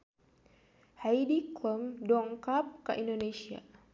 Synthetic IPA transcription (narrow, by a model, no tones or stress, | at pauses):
hajidikləmdɔŋkap̚ka̰ʔindonesia̰